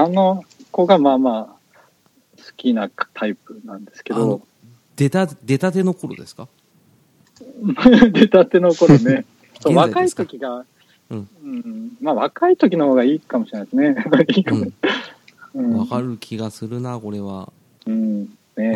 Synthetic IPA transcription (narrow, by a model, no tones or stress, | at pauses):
anoko̞ɡamaːmaː | sɨ̥kʲinat̪ʰaip̚ɯ̟nãnd̪e̞sɨ̥ke̞d̪o̞ | d̪̥et̪ad̪e̞t̪at̪e̞no̞ko̞ɾo̞̰d̪e̞sɨ̥ka | d̪e̞t̪at̪e̞noko̞ɾone | soːβakait̪o̞kʲiɡa | ɯ̟̃ɯ̟̃ːmaːβakait̪o̞kʲino̞ho̞ːɡaiːkamoɕiɾenaesɨneiːkam | ɯ̟̃ːβakaɾɯ̟kʲʰiɡasɨɾɯ̟nako̞ɾe̞βa̰ | ɯ̟̃ | ne̞